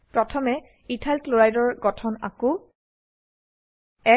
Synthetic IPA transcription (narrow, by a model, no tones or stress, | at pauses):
pɹɔtʰɔmɛ | itʰalkloɹajdɔɹɡɔtʰɔna̰ko | ɛ